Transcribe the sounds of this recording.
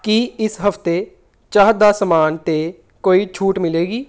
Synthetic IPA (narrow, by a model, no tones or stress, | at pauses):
kiɪsɦəft̪e | t͡ʃaːd̪asəmaːnt̪e | koːit͡ʃʰuːʈmɪleːɡiː